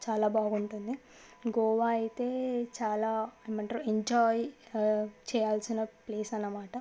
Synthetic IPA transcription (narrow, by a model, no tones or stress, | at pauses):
t͡ʃaːlaːbaːɡuɳʈund̪i | ɡɔːʋaːɐjit̪e̞ːt͡ʃaːlaːemɐɳʈɾoeɲd͡ʒaːj | t͡ʃɛːjaːlsinɐpleːsɐnːɐmaːʈɐ